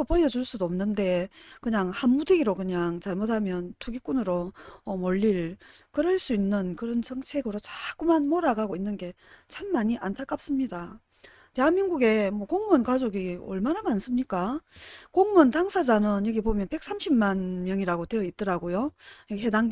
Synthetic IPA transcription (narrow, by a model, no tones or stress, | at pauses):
opʌjʌd͡ʑuɭs͈udoomnɯnde̞kɯɲaŋhanmudeɡiɾokɯɲaŋt͡ɕaɭmotʰamjʌntʰuɡik͈unɯɾoʌmʌʎːiɾkɯɾɯɭs͈uinːɯnkɯɾʌnt͡ɕʌŋt͡ɕʰe̞ɡɯɾot͡ɕakumanmoɾaɡaɡoinːɯnɡe̞t͡ɕʰamːaɲiʔantʰak͈ap̚s͈ɯmɲida | te̞ɦanmiŋɡuɡe̞mwʌkoŋmʌnkad͡ʑoɡiʌ̰ɭmanamans͈ɯmɲik͈akoŋmʌntaŋsʰad͡ʑanɯnjʌɡibomjʌnpe̞k̚s͈amɕʰimmanmjʌŋiɾaɡote̞jʌit̚t͈ʌɾaɡojojʌɦe̞daŋ